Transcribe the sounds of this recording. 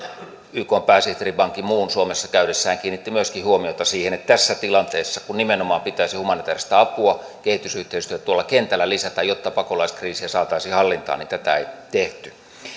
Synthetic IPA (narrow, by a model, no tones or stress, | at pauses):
yːkoːmpæːsiht̪eripɑŋkːimuːnsuomesːɑkæyɾesːæːŋkiːnːit̪ːimyøskihuomiot̪ɑsiːhenet̪t̪æsːæt̪ilɑnt̪eːsːɑkunnimenomɑːmpit̪ˑæːsihumɑnit̪æːrist̪æɑpuɑ | kehit̪ysyht̪eist̪yøæt̪t̪uolːˑɑkent̪ælːælisæt̪æjot̪ːɑpɑkolɑiskriːsiæsɑːt̪ɑisihɑlːint̪ɑ̰ːnint̪æt̪æḛit̪eht̪y